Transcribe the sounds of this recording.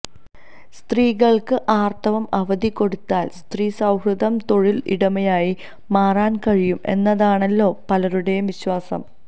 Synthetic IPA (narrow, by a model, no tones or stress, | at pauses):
st̪riːɣɐɭkɨʔaːrt̪ʰɐʋɐmɐʋɐðiko̞ɽut̪ːaːlst̪riːsɐwɦruðɐmt̪o̞ɻilḭɽɐmɐjaːji | maːraːnkɐɻijume̞̰nːɐðaːɳɐlːo̞ːpɐlɐɾuɽeʋiɕwaːsɐ̰m